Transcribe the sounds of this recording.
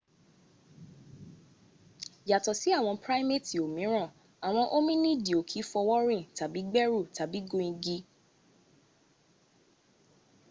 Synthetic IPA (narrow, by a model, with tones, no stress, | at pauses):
ja˨tɔ˨si˨˦a˦˨w̃ɔ̃˧pɾa˦jme˦˨ti˨o˨mĩ˨˦ɾ̃ã˦˨ | a˨w̃ɔ̃˧ʔo˦mĩ˦nĩ˦di˨o˨kʰi˨˦fɔ˧wɔ˦ɾĩ˦˨ta˨bi˨˦ɡ͡bɛ˦ɾu˦˨ta˨bi˨˦ɡũ˧ĩ˧ɡi˧